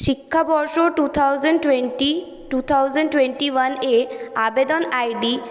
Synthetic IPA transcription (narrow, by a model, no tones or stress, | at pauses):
ʃikʰːabɔɾʃoʈut̪ʰawzəɳɖweʈi | ʈut̪ʰawzəɳɖʈweɳʈiwaneabed̪ɔnajɖi